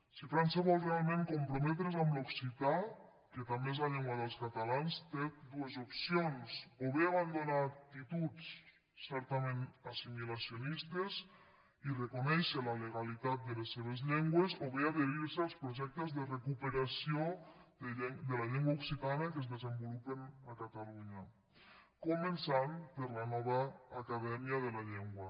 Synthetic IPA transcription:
sifɾanseβɔlˠrealˠmẽŋkumpɾumɛt̪̬ɾezamlouksit̪a | ket̪ambeezlaʎɛŋɡwaðəlˠskat̪alanst̪ed̪uezupsionsoβeaβand̪onaːk̚t̪it̪ut͡sː | ɛɾt̪amẽnasimilasjonist̪ez | irekonɛʃelaleɣalit̪at̪̚d̪elesːeβ̞ezʎeŋɡwezoβeaðeɾiɾsealˠspɾoʒɛk̚t̪ezðerekupeɾasio | d̪elaʎeŋɡwauksit̪anakezðezembolupenakat̪aluɲa | komensampeɾlanɔβ̞aːkaðɛmiaðelaʎeŋɡwa

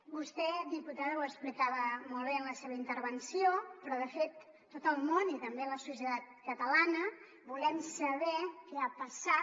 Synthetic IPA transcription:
bust̪ɛd̪iput̪aðəwəkspɾit̪aβəmolˠβeənləseβəint̪əɾβənsijopɾɔðəfet̪ː | ot̪əlˠmonit̪əmbeləsusjət̪at̪̚kət̪əlanə | bulɛmsəβɛkɛapəsa

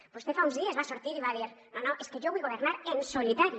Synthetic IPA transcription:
bust̪efaunzðiezβasoɾt̪iɾiβaðiɾnonoʔeskeʒoβujɣoβ̞eɾnaɾensolit̪aɾi

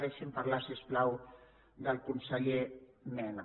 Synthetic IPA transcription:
ɾɛʃəmpəɾlasiəsplaw | d̪əlˠkunsəʎemɛn

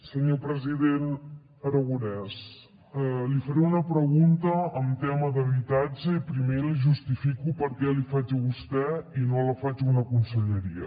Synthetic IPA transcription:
səɲopɾəziðen | əɾəɣunɛs | ɛlifəɾɛunəpɾəɣunt̪əːmt̪ɛməðəβit̪ad͡ʒəipɾimeliʒust̪ifikupəɾkɛlifad͡ʒiβust̪ɛinoləfad͡ʒunəkunsəʎəɾiə̰

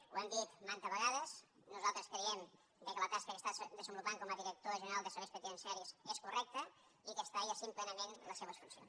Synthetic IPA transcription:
ṵɛmd̪it̪mant̪əzβəɣaðəznuzalˠt̪ɾəskɾiɛm | d̪əkələt̪askəkəst̪ad̪əzəmbulupaŋkɔməðiɾək̚t̪oɾəʒənəɾalˠd̪əseɾəspət̪iənsaɾiseskurɛk̚t̪ə | ikəst̪aiasimplɛnəmenləseβəsfunsijo̰ns

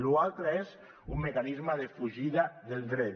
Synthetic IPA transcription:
lualˠt̪ɾaez | umːekanizmaðefuʒiðaðelˠd̪ɾe

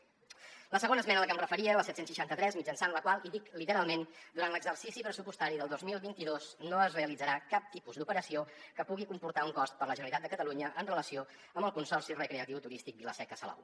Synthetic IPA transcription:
ləsəɣonəsmɛnələkəmrəfəɾiələsɛt̪sensʃəʃant̪ət̪ɾɛzmid͡ʒənsanləkwalˠiðiklit̪əɾalˠmend̪uɾant̪ləɡzərsisipɾəsupust̪aɾiðəlˠd̪ozmilˠβint̪iðosnoəzreəlidd͡zəɾakap̚t̪ipuzd̪upəɾəsiokəpuɣikumpuɾt̪auŋkɔst̪̚pəɾləʒənəɾlit̪at̪d̪əkət̪əluɲəʔənrələsio | əmbəlˠkunsɔrsirəkɾeət̪iwt̪uɾist̪ik̚biləsɛkəsəlɔ̰w

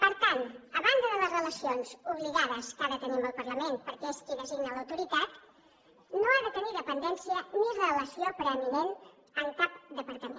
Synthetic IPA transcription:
pəɾt̪anəβand̪əðələzrələsionzuβliɣaðəskaðət̪əniməlˠpəɾləmenpəɾkeskiðəziɣnələwt̪uɾit̪at̪ | noaðət̪əniðəpənd̪ɛnsiənirələsiopɾəminen | əŋkap̚d̪əpəɾt̪əme

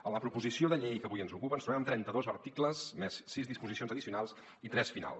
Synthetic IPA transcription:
ələpɾupuzisioðəʎɛjkəβujənzukupənst̪ɾuβɛməmt̪ɾɛnt̪əðozəɾt̪ikləsmesːizðispuzisionzəðisiunalˠs | it̪ɾɛsfina̰lˠs

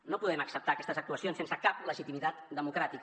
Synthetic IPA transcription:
nopuðɛməksəp̚t̪aːkɛst̪əzək̚t̪uəsionsensəkapləʒit̪imit̪at̪d̪əmukɾat̪ik

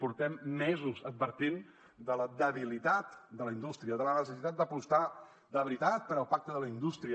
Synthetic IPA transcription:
puɾt̪ɛmːɛzuzəd̪̚bəɾt̪in | d̪ələd̪əβilit̪at̪d̪ələind̪ust̪ɾiəðələnəsəsit̪at̪̚d̪əpust̪a | d̪əβɾit̪at̪̚pəɾəlˠpak̚t̪əðələind̪ust̪ɾiə

